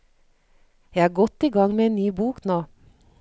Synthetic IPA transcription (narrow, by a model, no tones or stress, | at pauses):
jæhɑːɡɔt̪iːɡɑŋmeːeːnnyːbuːknoː